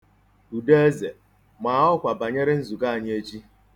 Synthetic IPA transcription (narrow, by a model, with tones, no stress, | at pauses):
u˨de˦e˦ze˨ | ma˨˦ʊ˦kʷa˨ba˨ɲe˦ɾɪ˦n̩˦zu˨ɡa˦a˨ɲ˦e˦t͡ʃi˦